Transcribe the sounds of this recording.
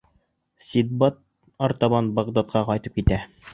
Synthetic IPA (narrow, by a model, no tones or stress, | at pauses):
sʲid̪̚bɑt̪̚ | ɑɾt̪ɑβɑnbɑʁd̪ɑt̪̚qɑqɑjt̪ɤp̚kit̪æ